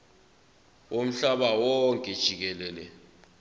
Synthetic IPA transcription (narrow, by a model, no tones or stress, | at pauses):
om̩ɬaɓawɔŋkʼɛd̥ʒ̥ʱik̬ɛlɛːlɛ